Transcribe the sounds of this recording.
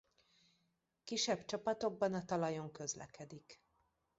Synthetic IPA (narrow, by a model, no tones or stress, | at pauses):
kiʃɛbt͡ʃɒpɒt̪o̞ɡ̚bɒnɒt̪ɒlɒjo̞ŋkø̞zlɛ̰kɛd̪ik